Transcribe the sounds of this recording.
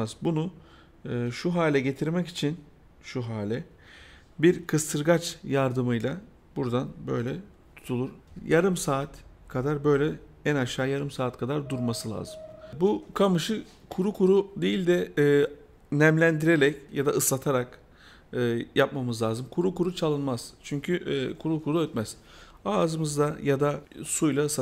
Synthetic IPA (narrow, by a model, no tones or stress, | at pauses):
zbunu | ʃuɦaːlʲɛɟe̞t̪ʰiɾmɛci̥t͡ʃʰin | ʃuɦaːlʲɛ | biɾkʰɯst̪ʰɯɾɡat͡ʃjaɾd̪ɯmɯjlˠa | buɾd̪anbø̞̰jlʲɛ | t̪ʰu̥t̪ʰulˠuɾ̥jʔaɾɯmsaːt̪ʰkʰad̪aɾbø̞jlʲɛ | ænaʃaːjaɾɯmsaːt̪kʰad̪aɾd̪uɾmasɯlˠa̰ːzɯmbukʰamɯʃɯ | kʰuɾukʰuɾud̪ejilʲd̪ɛː | næmlʲænd̪iɾeɾɛcjad̪aʔɯsːat̪ʰaɾak | ɯjap̚mamɯzlˠaːzɯmkʰuɾukuɾut͡ʃʰalˠɯnmaz̥t͡ʃʰyɲcʰykʰuɾukʰuɾuøt̪mæz̥ | aːzɯmɯzd̪ajad̪asujlˠaɯs